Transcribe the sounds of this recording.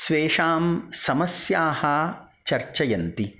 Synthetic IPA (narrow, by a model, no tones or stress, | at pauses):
sʋeːʂaːmsɐmɐsjaːhɐ | t͡ʃɐɾt͡ʃɐjɐnt̪i